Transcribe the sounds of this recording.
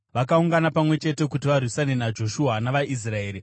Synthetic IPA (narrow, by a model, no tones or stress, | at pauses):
ʋakauŋɡanapamwe̞t͡ʃe̞te̞kut̬iʋarwisanenad͡ʒo̞ʃuɦanaʋaʔis̬rae̞ːɾi